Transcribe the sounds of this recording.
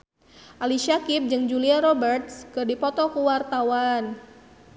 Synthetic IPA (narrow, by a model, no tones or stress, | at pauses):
ʔaliʃakip̚d͡ʒɨŋd͡ʒuliaɾɔbərt̪̚skɨrdipɔt̪ɔkuwart̪awan